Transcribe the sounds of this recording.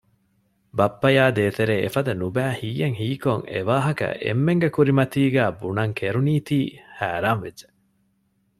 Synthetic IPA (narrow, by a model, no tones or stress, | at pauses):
bɐpːɐjaːd̪eːt̪eɾeːefɐd̪ɐnubæːhiːjːeŋhiːkoŋḛʋaːɦɐkɐ̰ʔḛmːeŋɡekuɾimɐt̪iːɡæːbunɐŋkʰeɾuniːt̪iːhæːɾaːnʋed͡ʒe